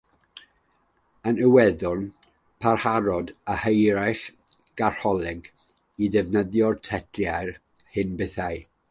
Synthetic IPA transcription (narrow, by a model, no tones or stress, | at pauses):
ənəwɛðʊn | pʰarhaɾɔdahəjɾajχ | ɡ̥ar̥hɔlˠɛɡ | iðɛvnəðjɔrtʰɛdljajr | hɨnbɪθaɨ